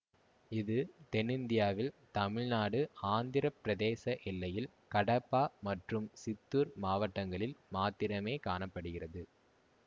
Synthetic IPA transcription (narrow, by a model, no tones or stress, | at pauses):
ɪðɯt̪ɛnɪnd̪ɪjaːʋɪlt̪ɐmɪɻnaːɽɯaːnd̪ɪɾɐpɪɾɐðeːsɐʔɪlːɐjɪl | kɐɽɐpːaːmɐʈrɯmsɪt̪ːuːɾmaːʋɐʈːɐŋɡɐɭɪlmaːt̪ːɪɾɐmeːkaːɳɐpːɐɽɯɣɪrɐðɯ